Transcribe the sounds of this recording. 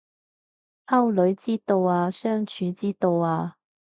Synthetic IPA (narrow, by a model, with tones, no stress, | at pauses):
hɐ˥wlɵ˨˥ɥt͡siː˥t̪o˧waː˧sœː˥ŋt͡ʃʰyː˨˥t͡siː˥t̪o˧waː˧